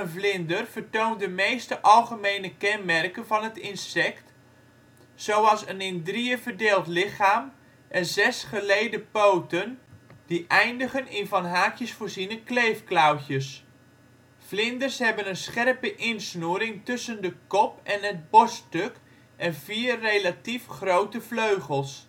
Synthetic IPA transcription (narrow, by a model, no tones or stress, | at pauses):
ənvlɪndərv̥ərtoːntdəmejstəʔɑlˠχəmejnəkɛnmɛrkənvɑnɦətɪnsɛkt | sowɑlˠsənɪndriəvərdeːlˠtlɪχaːm | ʔɛnzɛsχəlejdəpowtənd̥iʔɛjndəχənɪnvɑnɦaːkjəsfoːɹzinəklejfklawtjəs | flɪndərsɦɛbənənsχɛrpəʔɪnsnuːɾɪŋtɵsəndəkɔpɛnɦəd̚bɔstøk | ʔɛnviːrːejlatifχrowtəfløɥχəlˠs